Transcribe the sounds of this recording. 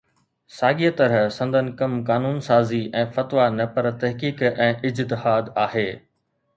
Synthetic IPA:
saːɠiːət̪ɐɾəɦsɐ̃nd̪ʱənɪ̆kɐmkaːnuːnsaːziʔɛ̃ːfɐt̪ʋanɐpɐɾt̪ɐɦkiːkɛ̃ːʔɪd͡ʑt̪ɪhaːd̪aːɦeː

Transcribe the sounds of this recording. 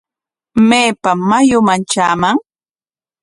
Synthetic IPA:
meːpamajʊmant͡ʃaːmaŋ

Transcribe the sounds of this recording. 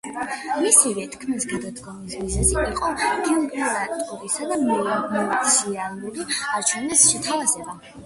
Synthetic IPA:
misiɾɛt̪ʰkʰmisɡad̪at̪ɡʰʼamisbiznɛziiqʼɔdiuɡisat̪ʼuɾisad̪amɛlaɛt̪sʰialuɡiaɾt͡ʃʰwɛnɛsʃɛt̪ʰavazɛba

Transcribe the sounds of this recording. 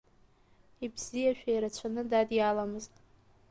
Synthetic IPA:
ibz̥ijaʃᶣajɾat͡ɕʷʰanɨdadjalamɨztʼ

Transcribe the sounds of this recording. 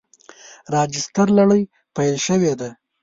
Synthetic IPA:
ɾɑd͡ʒɪst̪aɾlaɽəj | pajlʃəwed̪a

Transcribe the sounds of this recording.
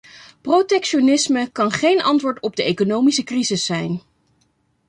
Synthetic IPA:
protɛkʃonɪsməkɑnχejnɑ̰ntʋʊːɹtɔb̚dəejkonowmisəkrizɪsːɛjn

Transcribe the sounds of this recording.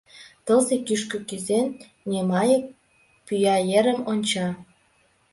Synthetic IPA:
t̪ɤ̆lzekyʃkø̆kyzenːʲ | emɑjə̆k̚ | pyjɑjeɾə̆monʲt͡ɕɑ

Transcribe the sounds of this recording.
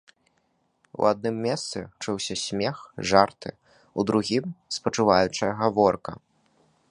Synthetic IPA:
w̰ad̪̚nɨmːʲɛst̪sɨt͡ʂɨwsʲɐsʲmʲɛxʐart̪ɨ̰ | ud̪ɾuɣʲimspɐt͡ʂɨvajut͡ʂɐjɐɣavɔrkɐ̰

